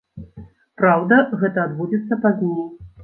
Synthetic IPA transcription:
pɾawd̪ɐɣɛt̪ɐːd̪bud͡zʲit̪sːɐpazʲlˠu

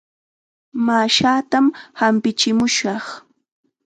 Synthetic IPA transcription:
maʃaːt̪amhampɪt͡ʃɪmʊʃɑχ

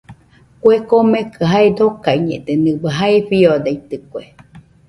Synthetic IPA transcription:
kwekomekɨɦaed̪okaiɲḛʔd̪̥enɨbəɦaeɸiod̪eit̪ɨkʷe

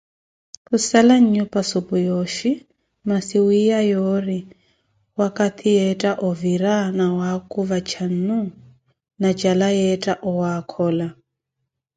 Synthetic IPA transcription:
kusalaɲ̩ɲupʼasupʼujoʃi | masiwijajɔɾi | wakʼat̪ʰijɛtʼaʔɔviɾanawakʼuvat͡ʃʰan̩nu | nat͡ʃʼalajɛtʼaʔɔwakʰɔːla

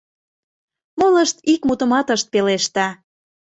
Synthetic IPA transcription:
moləʃt̪ikmut̪əmɑt̪əʃt̪̚peleʃt̪ɑ

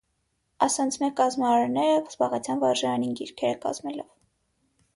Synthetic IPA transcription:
ɑsɑnt͡sʰmɛkɑzmɑɑɾnɛɾəz̥bɑʁɛt͡sʰjɑnvɑɾʒɑɾɑninɡiɾkʰɛɾəkɑ̰zmɛlɔv

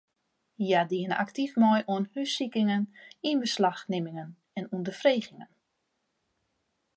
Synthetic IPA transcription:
jadiəna̰ktifmɔjʔuənhysikɪŋəninbəslaxnɪmɪŋən | ɛnundəfreːɣɪŋən

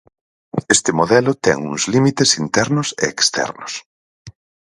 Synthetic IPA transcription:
est̪ɪmoðɛlʊt̪ɛ̰ŋṵŋzlimit̪esint̪ɛɾnʊsḛːkst̪ɛ̰ɾnʊs

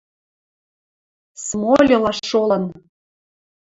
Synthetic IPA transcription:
smolʲolɑʃːolɤ̆n

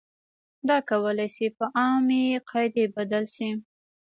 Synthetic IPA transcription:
d̪ɑkawəlajsipəʔɑmeqʰɑjd̪ebad̪alʃi

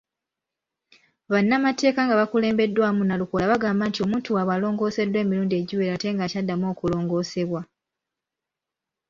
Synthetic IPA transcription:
βanːamate̞ːkaŋɡaβakule̞ːmbe̞dːwaːmunaluko̞laβaɡaːmbantio̞muːntuwaβalo̞ːŋɡo̞ːse̞dːwe̞ːmiɾuːndie̞ɟiwe̞ːɾate̞ŋɡacadːamo̞ːkulo̞ːŋɡo̞ːse̞βwa

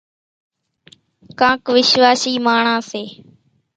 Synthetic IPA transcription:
kãːkʋɪʃʋaːsiːmaːɳãːseː

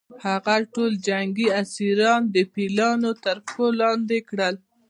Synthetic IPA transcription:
haɣaʈold͡ʒaŋɡiasiɾɑnd̪əpilɑnot̪əɾfolɑnd̪ekɽəl

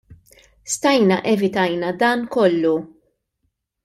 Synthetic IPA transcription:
st̪ɐjnɐʔɛvɪt̪ɐjnɐd̪ɐːnkɔlːu

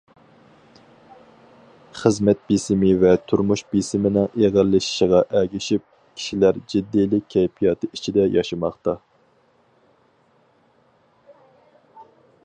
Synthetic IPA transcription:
χəzmɛt̪̚bisɪmɪvɛt̪ʰuɾmuʃbisɪmɪnɪŋeʁəɾlːɪʃi̥ʃɪʁɑʔɛɡʲiʃip̚ | kʲʰi̥ʃilæɾd͡ʒid̪ːijlɪk̚ʲʰːɛjpʰijɑt̪ʰɨit͡ʃʰid̪ɛjɑʃɨmɑχt̪ɑ

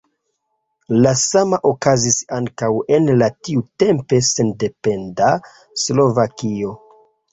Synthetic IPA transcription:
lasamaʔokazisaŋkawe̞nlatiute̞mpe̞se̞nde̞pe̞nda | slo̞vakio̞

